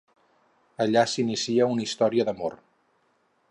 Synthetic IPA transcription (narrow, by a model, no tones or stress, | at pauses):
əʎasinisiəunist̪ɔɾiəðəmo̰r